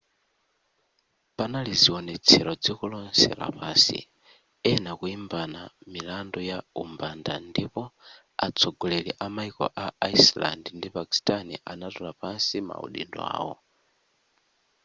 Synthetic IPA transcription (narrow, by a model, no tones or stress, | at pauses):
panaliziɔnɛt͡sʰɛɾɔd͡zikulɔnsɛ̰ɾa̰pansḭ | ɛnakuimbanamilandɔjaumbandandipɔ | at͡sʰɔɡɔlɛliʔamaikɔ̰ʔaaisla̰ndndipaki̥stanḭʔanatɔlapansima̰ṵɗḭɗɔa̰ːwɔ